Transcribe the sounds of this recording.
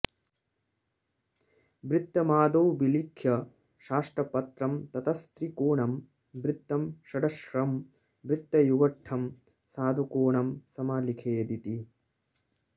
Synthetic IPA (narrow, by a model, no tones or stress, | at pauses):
bɾɪt̪ːɐmaːd̪owbilikʰjɐ | ʃaːʂʈɾɐpɐt̪ɾɐmt̪ɐt̪ɐst̪ɾikoːɳɐm | bɾit̪ːɐmʃɐɖɐʃɾɐm | bɾit̪ːɐjuɡɐʈʰːɐm | saːd̪ʱukoːɳɐmsɐmaːlikʰeːd̪it̪i